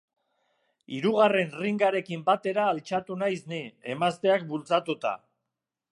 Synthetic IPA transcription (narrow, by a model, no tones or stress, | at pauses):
iɾuɣare̞nriŋɡaɾe̞kimbat̪e̞ɾaːlt͡ʃat̪unajsnie̞mast̪e̞ak̚bult͡sat̪ut̪a̰